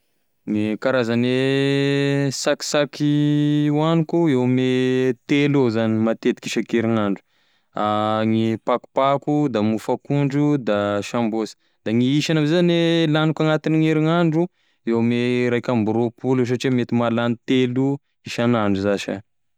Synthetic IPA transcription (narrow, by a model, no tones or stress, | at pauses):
ŋikaɾazane | saki̥sakiwanikuewmet̪elozanimat̪et̪i̥kiʃakeɾiŋaɳɖ͡ʐu̥ | aŋipaku̥pakud̪amufakuɳɖ͡ʐud̪aʃambosi̥ | d̪aŋiiʃanavezanelanikaŋat̪inŋeɾiŋaɳɖ͡ʐu | ewmeɾajkʲambuɾopules̬aʈ͡ʂimet̪imalanit̪elu | iʃanaɳɖ͡ʐuzaʃa̰